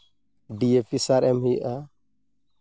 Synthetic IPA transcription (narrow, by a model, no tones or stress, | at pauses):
ɖiepisaɾɛmhiʔa